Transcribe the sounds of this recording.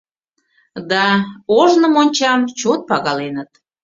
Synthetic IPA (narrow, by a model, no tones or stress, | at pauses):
d̪ɑoʒnəmonʲt͡ɕɑmt͡ɕot̪̚pɑɣɑlenət̪